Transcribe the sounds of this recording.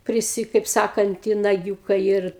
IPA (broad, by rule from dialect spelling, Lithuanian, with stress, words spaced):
pʲrʲɪˈsʲɪ kɐɪp ˈsɑːkɐnt ɪ nɐˈɡʲuːkɐɪ ɪr